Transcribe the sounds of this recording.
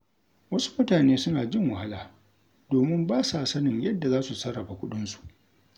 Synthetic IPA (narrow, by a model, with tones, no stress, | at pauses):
wɐ˦su̥˦mʊ˦taː˨neː˦sʊ˦naː˨d͡ʒɪ˦ŋwɐ˨ha˦laː˨ | doː˨mɪ˦mbaː˦sa˨sɐ˦nɪ˨ɲjɐ˦dːa˨zaː˦su˨sɐ˦ɽɐ˨ba˨kʷʊ˦ɗʊ˦nsu̥˨ʔ